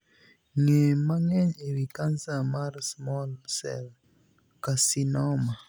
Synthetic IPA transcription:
ŋemaŋɛɲewikansamarsmɔlsɛ̰l | kasinɔma

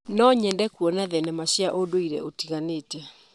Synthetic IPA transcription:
nɔɲɛndɛkuɔnaðɛnɛmaɕiaʔodoiɾɛ̰otiɣaneːtɛ

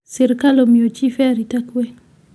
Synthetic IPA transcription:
sɛɾkalomiot͡ʃifɛaɾitakwe

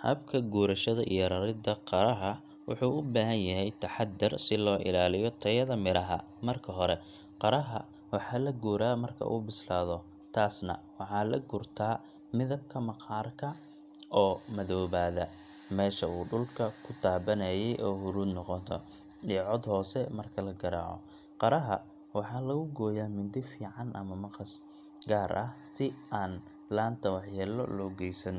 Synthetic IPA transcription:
hɐ̰bkʰɐɡuːɾɐʃɐðɐʔijɔɾɐɾɪd̪ɐqɑɾɐɦɐ | wʊ̰ħuːʊbaːɦɐnjɐɦɛjt̪ʰɐħɑd̪ːɪrsɪlɔːʔɪ̰laːlɪjɔt̪ʰɐjɐðɐmɪɾɐɦɐ̰ | mɐrkʰɐɦɔɾɛ | qɑɾɐɦɐ | wɑħɑːlɐɡuːɾaːmɐrkʰɐ̰ʔṵːbɪslaːðɔ | t̪ʰaːsnɐ̰wɑħɑːlɐ̰ɡʊrt̪ʰaː | mɪðɐb̚kʰɐmɐqɑːrkʰɐ | ʔɔːmɐðɔːβaːðɐ | mɛːʃɐuːɖʊlkʰɐkʰʊt̪ʰaːbɐnɐjɛjʔɔːhʊɾuːd̪nɔqɔt̪ʰɔ̰ | ijʕɔd̪hɔːsɛmɐrkʰɐlɐɡɐɾa̰ːʕɔ̰ | qɑɾɐɦɐ̰ | wɑħɑːlɐɣʊɡɔːjaːmɪnd̪ɪfiːʕɑnʔɐ̰mɐmɑqɑs | ɡaːɾʔɐhsɪaːn | laːnt̪ʰɐwɑħjɛːlɔ̰lɔːɡɛjsɐn

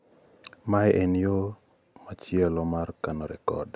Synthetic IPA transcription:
majʔenjo | mat͡ʃjɛlomarkanoɾɛkɔ̰d

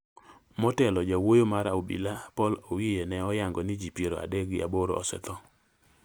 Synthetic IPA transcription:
mɔtɛlɔd͡ʒawojomaɾaubḭlapɔlowijenɛɔjaŋɡɔnɪd͡ʒipjeɾoa̰dɛɡɪa̰boɾo̰ɔ̰sɛ̰t̪ɔ

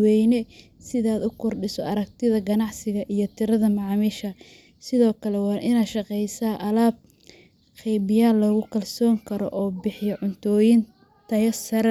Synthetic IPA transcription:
wɛjnɛ | sɪðaːd̪ʊkʰʊrɖɪsɔʔɐɾɐkt̪ʰɪðɐɡɐnɑʕsɪɣɐʔijɔt̪ʰɪɾɐðɐmɑʕmiːʃɐ | sɪðɔːkʰɐlɛwɑːʔɪnaːd̪ʃɑqɛjsaːʔɐlaːb̚ | qɛjbɪjaːlːɔːɣʊkʰɐlsɔːŋkʰɐɾɔ̰ʔɔːbɪħɪjɐʕʊnt̪ʰɔːjɪn | t̪ʰɐjɐsɐɾɐ

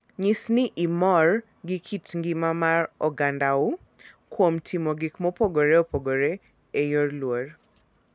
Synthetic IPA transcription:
ɲisnɪʔimɔr | ɡɪkʰitŋɡɪmamaɾɔɡandaʊ | kwomtʰimoɡɪkmɔpoɡoɾeopoɡoɾe | ejorlwor

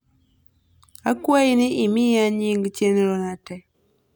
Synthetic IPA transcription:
akwainiʔimiaɲiŋɡt͡ʃenɾonatɛ

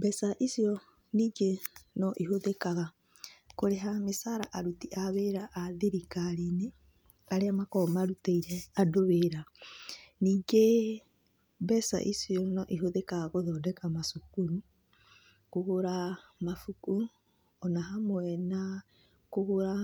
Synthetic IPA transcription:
bɛsaʔisjɔ | niːɡenɔʔiɦoðekaɣa | koɾeɦamesaɾaʔaɾutiʔaβeɾaʔaðiɾikaɾine | aɾeamakɔmaɾutaiɾɛadoβeɾa | niːɡe | bɛsa̰ʔisiɔnɔʔiɦoðekaɣakoðɔdɛkamasukuɾu | kohoɾamafuku | ɔnaɦamwɛna | kohoɾa

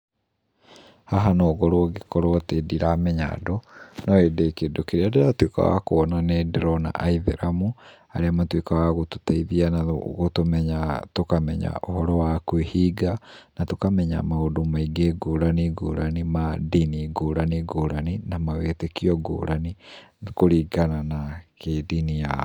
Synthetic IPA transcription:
haɦanoːɣɔɾoɔɣekɔɾoatediɾamɛɲa̰dɔnɔedekedokeɾeadeɾatweka̰wa̰koɔnanedeɾɔna̰ʔaiðeɾamu | aɾeamatwekawaɣototaiðianaɣotomɛɲatokamɛɲa̰ʔohɔɾɔwakwehiɡanatokamɛɲa̰mahodomaiɡeɡoɾaniɡoɾanimadiniɡoɾaniɡoɾaninamawetekiɔɡo̰ɾanikoɾiɡananakedinija

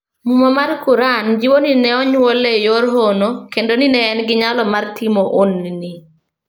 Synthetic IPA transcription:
mumɔmarkuɾand͡ʒɪwoninɛɔɲwolejoɾɦonokendoninɛːnɡɪɲalɔmartʰɪmoʔonːini

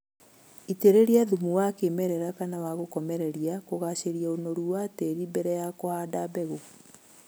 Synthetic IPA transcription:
iteɾeɾiaðumuwakemɛɾɛɾakanawaɣokɔmɛɾɛɾijakoɣaɕeɾiaonoɾuwateɾibɛɾɛjakohaːdabɛɣo

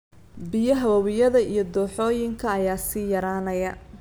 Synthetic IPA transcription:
bɪjɐɦɐwɐwɪjɐðɐijɞd̪ɔːħɔːjɪŋkʰɐːjaːsiːjɐɾaːnɐjɐ

